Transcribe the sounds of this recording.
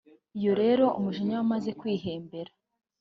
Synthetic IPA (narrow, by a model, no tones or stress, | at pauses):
ijo̞ɾe̞ːɾo̞ʔumuʒiɲawamaze̞kwiːɦe̞ːmbe̞ɾa